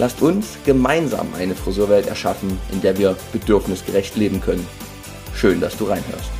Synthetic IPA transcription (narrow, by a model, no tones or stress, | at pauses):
lʔastʊnsɡ̥əmaɪnza̰ːmʔa̰ɪnəfʁ̥ɔzøːɐvɛltɛ̰ɐʃafn̩ʔɪndeːɐviːɐb̥ədʏɐfnɪsɡ̥əʁɛçtleːbm̩kʰœnən | ʃøːndasd̥uːʁaɪnɦø̰ːɐst